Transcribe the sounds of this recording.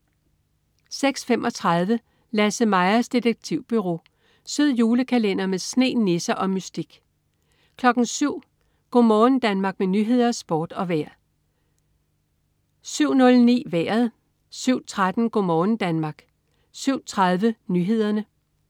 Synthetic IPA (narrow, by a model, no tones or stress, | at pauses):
seɡ̥sfem̰ʔɒ̽t͡sʰʁɑð̞ˠʋə | læsəmɑ̈ɪɐsd̥id̥eɡ̥̚t͡sʰiʊ̰b̥yʁo̝̰ː | søð̰ˠjuːləkʰælen̰ɐmesne̝̰ːne̝sɐʔɒ̽mysd̥iɡ̥ | kʰlɒ̽ɡ̥n̩syʊ̰ | ɡ̥ɔ̰mɒːn̩d̥ænmɑ̈ːɡ̥̚menyːɦe̝ð̞̰ˠɐsb̥ɒːd̥ɒ̽ʋæɐ̰ | syʊ̰nɔ̽lnḭːʋæɐð̞̩ˠ | syʊ̰t͡sʰʁad̥n̩ɡ̥ɔ̰mɒːn̩d̥ænmɑ̈ːɡ̥ | syʊ̰t͡sʰʁɑð̞ˠʋənyːɦe̝ð̞̰ˠɐnə